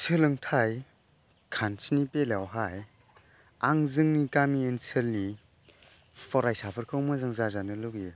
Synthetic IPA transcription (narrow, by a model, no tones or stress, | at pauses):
sʰɯlɯŋtʰaj | kʰansinipelawɦaj | aŋzɯŋnikamiensʰelni | pʰɔɾajsapʰɯɾkʰɯwmazaŋzazanɯlɯɡe